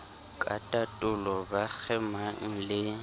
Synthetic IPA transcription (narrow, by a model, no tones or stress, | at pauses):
kʼa̰tʼatʼʊlɔbak͡xʰɛmaŋ̩lɪ